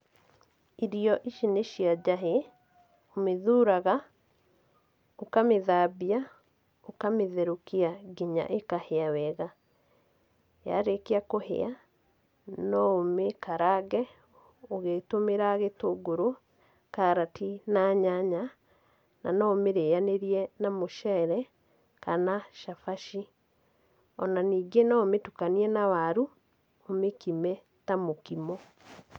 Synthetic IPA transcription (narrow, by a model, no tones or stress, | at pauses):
iɾiɔʔiʃineʃiad͡ʒaɦe | omeðuːɾaɣa | okameðaːbia | okameðɛɾokiaɡiɲa̰ʔekaheawɛɣa | ja̰ɾekeakohḛa | nɔomekaɾaɣɛ | oɣeːtomeɾaɣetoɡoɾo | kaɾatinaɲaɲa | na̰nɔomeɾeːjaneɾiɛnamoʃɛɾɛ | kanaʃafaʃi | ɔnaniːɡenɔometukaniɛnawaɾu | omekimɛ | tamokimɔ